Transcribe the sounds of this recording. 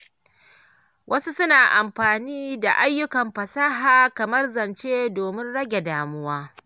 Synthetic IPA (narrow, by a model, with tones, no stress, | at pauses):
wʔɐ˦su˦sʊ˦naː˨ʔa˨mɸaː˨niː˦da˨ʔa˦jːʊ˦kɐ˨mɸɐ˨saː˦ɦaː˨kɐ˨mɐ˦rzɐ˨nt͡ʃeː˦doː˨mɪ˦nɽɐ˦ɡʲe˨daː˨mʊ˦waː˦